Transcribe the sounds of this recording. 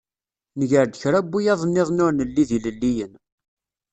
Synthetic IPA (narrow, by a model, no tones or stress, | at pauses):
nəʝəɾd̪əçɾæbːujɑðˤnːɪðˤnʊɾnəlːiðiləlːijən